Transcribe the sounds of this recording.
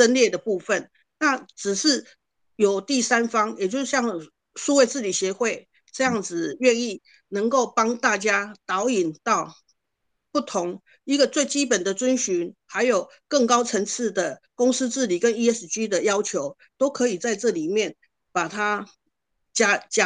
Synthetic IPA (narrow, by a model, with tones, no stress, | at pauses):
t͡sə˦˥nljɛ˥˩d̪ə˩pu˥˧fə˥˨n | na˥˨ʈ͡ʂɻ̩˨˩ʂɻ̩˥˩ | jo˨˩ʊt̪i˥˩sa˦˥nfɑ˥ŋjɛ˨˩t͡ɕjo˥˧ʊʂ̩˥˧˩ɕjɑ˥˧ŋ | su˥˧we˥˧ɪt͡sɹ̩˥˩li˨˩ɕjɛ˧˦xwe˥˧ɪ | ʈ͡ʂɤ˥˧jɑ˥˩ŋd͡zɹ̩˨ɥɛ˥˧ni˥˩ | nə˧˥ŋko˥˩ʊpɑ˥ŋt̪a˥˩t͡ɕja˥t̪ɑ˧˥ʊi˨˩nt̪ɑ˥˩ʊ | pu˥˩t̪ʰʊ˧˦˥ŋ | i˧˥ɡə˨t͡swe˥˩ɪt͡ɕi˦pə˨˩nd̪ə˩t͡swə˥nɕy˧˥nha˧˥ɪjo˨˩ʊ | kə˥˩ŋkɑ˥ʊt͡sʰə˧˥ŋt͡s̩ʰ˥˩d̪ə˩kʊ˥ŋs̩˥t͡sɻ̩˥˩li˨˩kə˦ni˥ə˥s̩˨˩t͡ɕy˥d̪ə˨jɑ˥ʊt͡ɕʰjo˧˦ʊ | t̪o˥ʊkʰɤ˧˥i˨˩t͡sa˥˧ɪʈ͡ʂɤ˥˩li˨˩mjɛ˥˨n | pa˨˩t̪ʰa˦ | t͡ɕa˥t͡ɕa˥